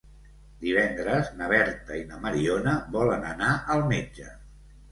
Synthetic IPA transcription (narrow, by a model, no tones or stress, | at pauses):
d̪iβ̞ɛnd̪ɾəznəβ̞ɛɾt̪əinəməɾionəβɔlənənaʔəlˠmed͡ʒə